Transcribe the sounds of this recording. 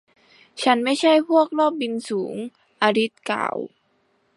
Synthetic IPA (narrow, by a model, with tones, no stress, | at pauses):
t͡ɕʰa˦˥nma˥˩jt͡ɕʰa˥˩jpʰu˥˩ək̚lɔː˥˩p̚bi˧nsuː˩˦ŋ | ʔaː˧ɾi˦˥t̪̚ka̰ː˨˩w